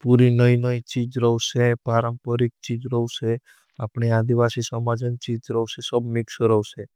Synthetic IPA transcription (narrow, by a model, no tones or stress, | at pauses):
puɾinəĩnəit͡ʃid͡ʒɾəɦsepaɾəmpəɾik̚t͡ʃid͡ʒɾəuse | apɳiad̪iʋasisəmad͡ʒənt͡ʃid͡ʒɾəɦusesəbʱmɪksɾəɦse